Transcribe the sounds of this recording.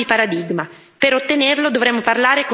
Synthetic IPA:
ipaɾad̪iɡma | peɾot̪ːenerlod̪ovɾɛmːoparlaːɾeko

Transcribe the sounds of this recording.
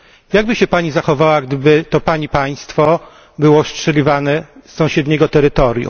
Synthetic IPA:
jaɡ̚bɘɕɛpaɲizaxɔvawaɡd̪ɘbɘt̪ɔpaɲipaj̃st̪fɔ | bɘwɔstʂɛlʲivanɛsːɔ̃w̃ɕɛd̪ɲɛɡɔt̪ɛɾɘt̪ɔɾʲjṵ

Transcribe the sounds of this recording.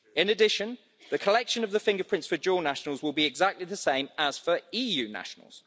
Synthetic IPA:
ɪ̃nədɪʃə̃n | ðəkʰəlɛkʃə̃nəvðəfɪ̃ŋɡəpʰɹ̥ɪ̃ntsfəd͡ʒɔːnaʃənəlˠzwɪlˠbiɪɡzak̚tliðəsẽɪ̃məz̥fəɹiːjʉːna̰ʃənə̰lˠz̥

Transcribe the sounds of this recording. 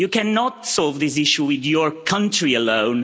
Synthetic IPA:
jɨkænɑtsɔlˠvðɪs̬ɪʃuwɪðjə˞kʰʌ̃ntɹ̥iəlõʊ̃n

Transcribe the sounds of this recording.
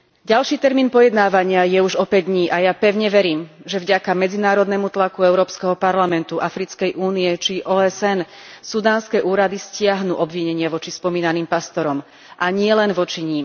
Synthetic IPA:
ɟalʃiːt̪ɛɾmiːnpɔjɛd̪naːʋaɲɪajɛuʒɔpɛɟd̪ɲiːʔajapɛʊɲɛʋɛɾiːmʒɛvɟakamɛd͡zinaːɾɔd̪nɛmut̪lakuɛʊɾɔːpskɛɦɔpaɾlamɛnt̪uʔafɾit͡skɛjʔuːnijɛt͡ʃiʔɔːɛsɛnsud̪aːnskɛːʔuːɾad̪iscɪaɦnṵːʔɔbʋiɲɛɲɪaʋɔt͡ʃispɔmiːnaniːmpast̪ɔɾɔm | ʔaɲɪɛlɛnʋɔt͡ʃiɲiːm

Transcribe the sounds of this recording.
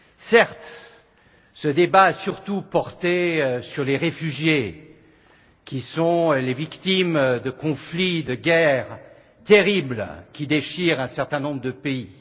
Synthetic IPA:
sɛʁt̪ | səd̪ebaːsyʁt̪upɔʁt̪esyʁleʁefyʒje | kʲisɔ̃levikt̪imd̪əkɔ̃flid̪əɡʲɛʁ | t̪eʁiblkʲid̪eʃiʁɛ̃sɛʁt̪ɛ̃nɔ̃bʁəd̪əpei

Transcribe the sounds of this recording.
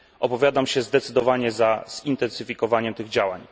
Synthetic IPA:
ʔɔpɔvʲjad̪amɕɛzd̪ɛt̪sɘd̪ɔvaɲɛzaz̥int̪ɛnsɘfʲikɔvaɲɛmt̪ɘɣd͡ʑawa̰ɲ

